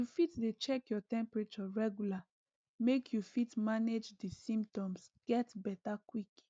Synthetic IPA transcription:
jufitdet͡ʃɛkjɔtɛ̃mpɹet͡ʃɔɹɛɡula | mekʰjufitmaned͡ʒdisĩmptɔ̃msɡ̥ɛtbɛtakwik

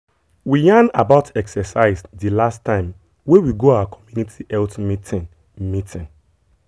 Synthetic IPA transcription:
wijãnabaʊtɛksɛsaɪsdilastʰːãɪ̃m | wẽwiɡoawakʰɔmjunitʰiʔɛltmitʰĩn | mitʰĩn

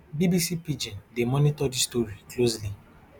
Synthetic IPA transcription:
bibisipid͡ʒɛ̃ndemɔnitɔdistoɹiklosli

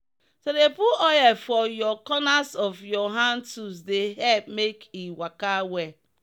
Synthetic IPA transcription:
sodepuɔjɛfɔjɔkɔnasɔfjɔɦãntus̬deɦɛp̚mekiwakawɛ

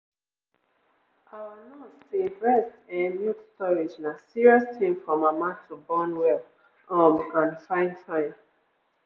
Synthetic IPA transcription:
ʔawanɔtseɹɛstɛ̃njutstʰɔɹid͡ʒnasiɹiɔstʰĩmfɹɔ̃mamãtʰubɔnwɛl | ɔ̃mikãnfãɪ̃ntʰãɪ̃m

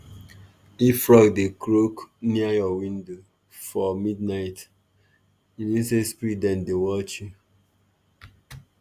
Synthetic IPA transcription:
ifɹɔɡdekɾokniajɔwĩndo | fɔmidnaɪt | iwĩnsespɹidɛ̃ndewɔt͡ʃi

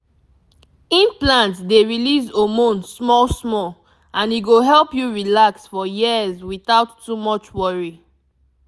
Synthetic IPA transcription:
ĩnplãntdeɹilizomõnsmɔlsmɔl | ãniɡoɦɛlpjuɹilaksfɔjiəzwiθaʊtːumɔt͡ʃwɔɹi

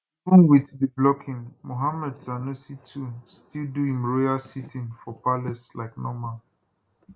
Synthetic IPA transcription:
ũnwitdiblɔkʰĩŋmoɦamɛdsanusitʰustilduĩŋɹoasitʰĩŋfɔpalɛslaɪknɔma

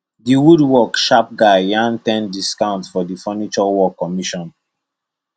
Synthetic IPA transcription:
diwudwɔkʃap̚ɡaɪjãntɛ̃ndiskãʊ̃ntfɔdifɔnit͡ʃɔwɔkːɔmiʃɔ̃n

